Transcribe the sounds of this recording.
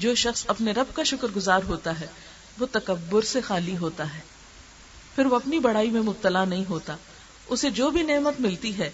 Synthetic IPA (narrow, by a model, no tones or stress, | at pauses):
d͡ʒoːʃɐxsɐpneɾɐb̚kaʃʊkəɾɡʊzaːɾɦoːt̪aɦɛː | ʋot̪ɐkɐbːʊɾsexaːliɦoːt̪aɦɛː | pʰɪɾʋoɐpnibɐɽaːimẽmʊb̚t̪əlanɐɦĩɦoːt̪aː | ʊsed͡ʒoːbʱineːmət̪mɪlt̪iɦɛː